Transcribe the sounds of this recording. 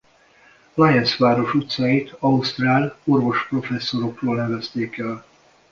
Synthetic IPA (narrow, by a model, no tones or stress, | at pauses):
lajɛnsʋaːɾo̞ʃut̪saːjit̪ʰɒust̪raːlo̞rvo̞ʃpro̞fɛsːo̞ɾo̞kroːlnɛvɛst̪eːkɛl